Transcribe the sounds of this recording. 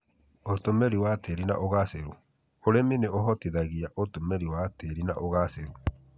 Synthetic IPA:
otomɛɾiwateɾina̰ʔoɣaseɾu | oɾemineoɦɔtiðaɣiaʔotomɛɾiwateɾina̰ʔoɣaseɾu

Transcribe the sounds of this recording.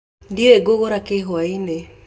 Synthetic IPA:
ndiɾeɡoɣoɾakeɦwaine

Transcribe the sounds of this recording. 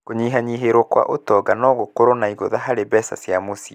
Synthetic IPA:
koɲiːɦaɲiɦeɾokwa̰ʔotɔɡanɔɣokoɾonaiɣoðaɦaɾebɛsa̰sjamosi

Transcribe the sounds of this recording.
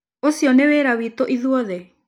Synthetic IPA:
osijɔneweɾawit̪oʔiðuɔðɛ

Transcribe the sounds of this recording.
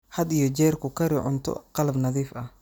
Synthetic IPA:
hɐd̪ijɔd͡ʒɛːrkʰʊkʰɐɾɪʕʊ̰nt̪ʰɔ̰qɑlɐbnɐðiːfɐh

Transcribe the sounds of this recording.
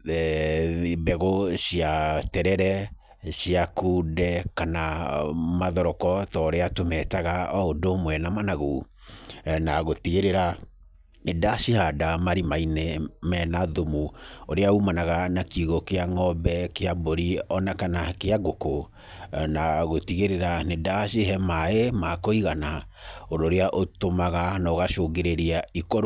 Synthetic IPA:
bɛɣoʃiatɛɾɛɾɛ | ʃiakuːdɛkanamaðɔɾɔkɔtɔːɾeatomɛtaɣaɔodomwɛnamanaɣu | naɣotiɣeɾeɾa | edaʃihadamaɾimainemɛnaðomuoɾeaumanaɣanakiɣokeaŋɔbɛkeaboɾiɔnakanakeaɡoko | naɣotiɣeɾeɾanedaʃiɦɛmaemakoiɣana | odoːɾeaʔotomaɣanaoɣaʃoːɡeɾeɾiaikoɾ

